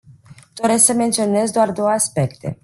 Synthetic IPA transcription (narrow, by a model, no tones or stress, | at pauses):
d̪̥o̞ɾe̞sksəme̞nt̪sio̞ne̞zd̪oard̪o̞wəaspe̞kt̪e̞̰